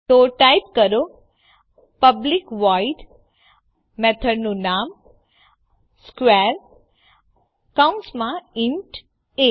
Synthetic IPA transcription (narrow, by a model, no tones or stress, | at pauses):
t̪oʈaipkəɾo | pəblikʋaiɖ | mɛt̪ʰəɖnũnam | skʋɛɾ | kaunsmãɪɳʈ | e